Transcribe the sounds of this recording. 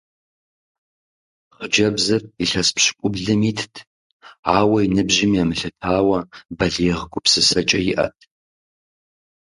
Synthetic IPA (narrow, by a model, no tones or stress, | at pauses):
χəd͡ʒɐbzɐriɬɐspɕɪ̥kʷʼʊbɮɨmiːtʰtʰ | aːwɐinɨbʑɪmjamɨɬɨtʰaːwɐbɐɮeːʁɡʷʊpsɨsɐt͡ʃʼɐjɪʔɐ̰tʰ